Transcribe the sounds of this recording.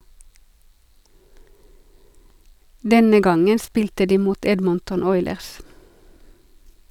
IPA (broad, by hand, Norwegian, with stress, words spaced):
ˈdɛnə ˈɡɑŋən ˈspiːltə ˈdiː ˈmuːt ˈɛdməntʊn ˈɔʏləʁs